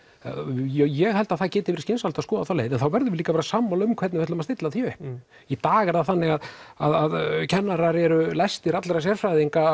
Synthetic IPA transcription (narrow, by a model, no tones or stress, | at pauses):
jɛɣhɛlt̪aðθacɛːt̪ɪvɪɾɪscɪnsalt̪askɔːðaθalḛːjðɛnθawvɛɾðʏvɪliːkapaːɾasaːmːalʏmkʰɛt̪nɪvɛt̪ʏmast̪ɪt̪laθjœː | it̪aːɣɛɾðaθanːɪɣaðaðaðcʰɛnːaɾaɾɛɾʏlajst̪ɪɾat̪lɛɾas̬jɛr̥fɾajðiŋka